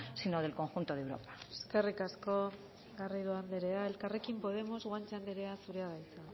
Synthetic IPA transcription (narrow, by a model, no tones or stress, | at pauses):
sinoðe̞lko̞ŋxunt̪oðewɾo̰pḁeske̞rikasko̞ | ɣariðuand̪eɾe̞ae̞lkare̞kimpo̞ð̞e̞mo̞zɣwant͡ʃeand̪eɾe̞asuɾeaβajt͡sa